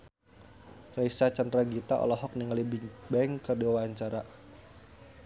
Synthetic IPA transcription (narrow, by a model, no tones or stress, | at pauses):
raisat͡ʃanraɡit̪aʔɔ̰lɔɦɔk̚niŋlibiŋbɛŋkərdiwaɲt͡ʃaɾa